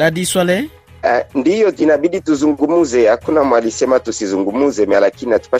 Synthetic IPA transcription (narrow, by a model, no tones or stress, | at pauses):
ladiswale | ndijoinabidituzuŋɡumuzeakunamwalisɛmatusizuŋɡumuzemalakiinatu̥pa